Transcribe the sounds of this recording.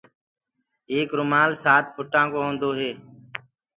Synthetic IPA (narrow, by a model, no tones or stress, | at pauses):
eːkɾʊmaːlsaːt̪pʰʊʈãːkoːɦõːnd̪oːɦeː